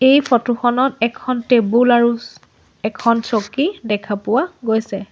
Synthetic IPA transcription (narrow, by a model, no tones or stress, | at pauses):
ejpʰɔtuxɔnɔtɛkʰɔntebulaɹu | ɛkʰɔnsokidɛkʰapʊwaɡojsɛ